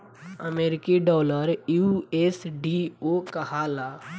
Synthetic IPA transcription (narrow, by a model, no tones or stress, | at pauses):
ə̰meːɾɪkiɖɔːləɾjueːsɖiokəɦalaː